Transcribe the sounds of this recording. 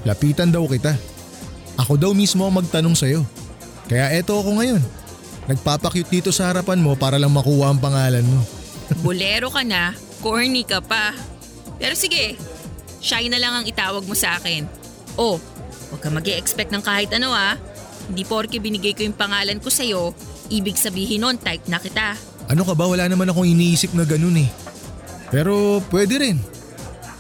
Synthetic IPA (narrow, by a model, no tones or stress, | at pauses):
lɐpiːt̪ɐnd̪ɐwkɪt̪a | ʔɐko̞d̪ɐwmismo̞ɐŋmɐɡ̚t̪ɐno̞ŋsɐjo̞ | kɐjaʔɛt̪o̞ɐko̞ŋɐjo̞nː | ɐɡ̚paːpɐkjʊt̪̚d̪iːt̪o̞sɐhɐɾɐpanmo̞paːɾɐlɐŋmɐkuːhɐʔɐŋpɐŋaːlɐnmo̞bʊlɛːɾo̞kɐna | koɹnikɐpa | pɛːɾo̞sɪɡɛ | ʃajnɐlɐŋɐŋɪt̪aːwɐɡ̚mo̞sɐʔaːkɛn | ʔo̞ | wɐɡ̚kːɐmɐɡʔɛʔɛkspɛk̪̚nɐŋkaːhɪt̪ʔɐno̞ʔa | hɪnd̪ipo̞ɾkɛbɪnɪɡajkojʊŋpɐŋaːlɐnko̞sɐjo̞ | ʔiːbɪɡsɐbiːɦɪnont̪ajp̚nɐkɪt̪a | ʔɐno̞kɐbawɐlaːnɐmanɐkoŋɪniʔiːsɪp̚nɐɡɐno̞nɛ | pɛːɾo̞pwɛːd̪ɛɾɛn